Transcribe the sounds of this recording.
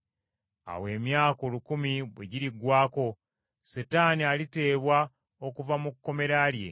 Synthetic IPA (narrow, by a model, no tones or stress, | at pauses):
a̰we̞ːmjaːko̞lukumiβwḛɟiɾiɡwaːko̞ | setaːnialite̞ːβwa | o̞kuvamukːo̞me̞ɾalje̞̰